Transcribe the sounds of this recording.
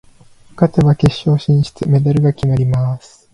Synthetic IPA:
ɯ̥kat̪eβake̞ɕːo̞ːɕĩɰ̃ɕi̥t͡sɨme̞d̪aɾɯ̟ɡakʲinaɾʲimasɨ̥

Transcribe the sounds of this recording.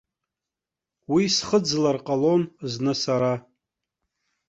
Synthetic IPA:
wisχəd͡zlarqʼalo̞nznɨsaɾa

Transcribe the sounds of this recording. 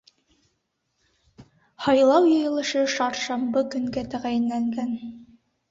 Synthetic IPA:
hɑjlˠɑwjɤ̆jɤ̆lˠɤ̆ʃɤʃɑɾʃɑmbɤkɵ̆ŋɡæt̪æʁæjɘ̆nlæŋɡæn

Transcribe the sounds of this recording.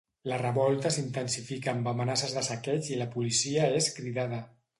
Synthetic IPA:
lərəβɔlˠt̪əsint̪ənsifikaːmbəmənasəzðəsakɛt͡ʃiləpulisiəeskɾiðað̞ə

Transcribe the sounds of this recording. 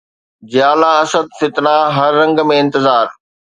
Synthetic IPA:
d͡ʑjaːlaɐsəd̪̚fɪt̪naɦɐɾːɐ̃ŋɡmẽɪ̃nt̪ɪzaːɾ

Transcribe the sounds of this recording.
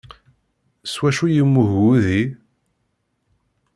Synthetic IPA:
swæʃujəmːuɣuði

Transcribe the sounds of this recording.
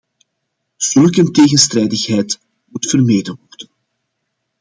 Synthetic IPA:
z̥ɵlˠkənteːɣənstrɛjdəxɦɛjt | mutfərmeːdənʋɔrdən

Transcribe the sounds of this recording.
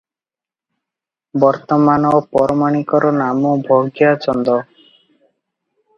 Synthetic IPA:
bɔɾt̪ɔmanɔpɔɾɔmaɽ̃ikɔɾɔnamɔbʱoɡjat͡ʃɔnd̪ɔ

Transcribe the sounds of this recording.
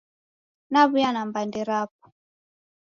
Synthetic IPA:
naβujanambandɛɾap̚u̥

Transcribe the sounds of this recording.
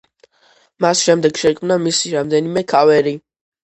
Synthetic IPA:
masʃɛmd̪ɛɡ̥ʃɛkʼmnamisiɾamd̪ɛnimɛkʰavɛɾi

